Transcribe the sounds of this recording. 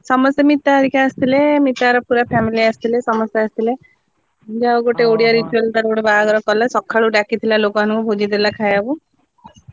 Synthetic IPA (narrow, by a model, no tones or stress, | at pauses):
sɔmɔsjemit̪ːaɾikaːst̪ʰilemit̪ːaɾɔpuɾapʰɛmiliast̪ʰilesɔmɔsjaast̪ʰile | d͡ʒawɡoʈeoɽijaɾit͡ʃuald̪ɔɾɡoɽebaɡɔɾɔkɔlasɔkʰːaɭuɖakʰit̪ʰilalokɔanukɔbʱod͡ʒitd̪ilakʰajabu